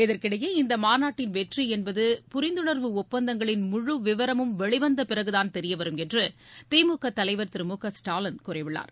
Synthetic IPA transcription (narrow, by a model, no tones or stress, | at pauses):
ɪðɐɾkɪɽɐjɐːɪnd̪ɐmaːnaːʈːɪnʋɛʈriɛnbɐðɯpʊɾɪnd̪ɯɳɐɾʋɯʊpːɐnd̪ɐŋɡɐɭɪnmʊɻɯʋɪʋɐɾɐmɯmʋɛɻɪʋɐnd̪ɐpɪrɐɣɯðaːnt̪ɛɾɪjɐʋɐɾɯmɛndrɯt̪eːmuːkɐt̪ːɐlɐɪʋɐɾt̪ɪɾɯmuːkɐsʈaːlɐnkuːɾɐɪʋɪɭːa̰ːɾ